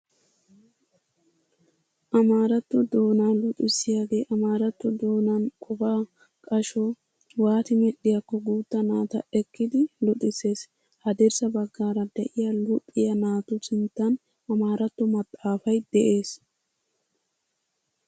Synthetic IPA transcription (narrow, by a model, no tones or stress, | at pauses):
ʔɐmaːɾɐt̪ːɔd̪o̞ːnaːlɔt̪ʼɪsːɪjaːɡe̞ːʔɐmaːɾɐt̪ːɔd̪o̞ːnɐnkʼɔbaː | kʼɐʃɔ | waːt̪ɪmɛɗːɪjɐkːɔɡuːt̪ːɐnaːt̪ɐʔɛkːɪd̪ɪlɔt̪ʼɪse̞ːs | hɐd̪ɛɾsɐbɐɡːaːɾɐd̪ɛʔɪjalʊpʼːɪjɐnaːt̪ʊsɪnt̪ːɐn | ɐmaːɾɐt̪ːɔmɐt̪ʼːaːfɐjd̪ɛʔe̞ːs